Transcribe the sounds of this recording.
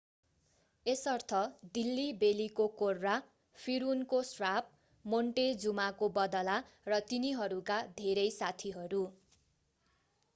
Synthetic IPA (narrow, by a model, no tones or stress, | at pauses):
esʌrt̪ʰʌd̪ilːibelikokorːa | pʰiɾunkosrap̚ | moɳʈed͡zumakobʌd̪ʌlarʌt̪iniɦʌɾukad̪ʱeɾʌjsat̪ʰiɦʌɾu